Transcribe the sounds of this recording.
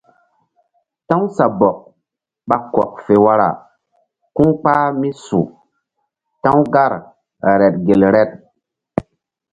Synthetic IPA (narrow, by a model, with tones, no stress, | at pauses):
ta˦ŋsa˨bɔ˨k̚ | ɓa˨kɔ̰˨k̚fe˨wa˦ɾa̰˨ | ku˦ŋk͡paː˦mi˦sṵ˨ | tã˦wɡa˦ɾ | ɾɛ˨t̚ɡe˨lɾɛ˦t̚